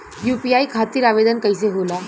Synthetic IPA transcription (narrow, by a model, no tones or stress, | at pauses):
jupiaikʰat̪iːɾaʋed̪ənkəjseɦola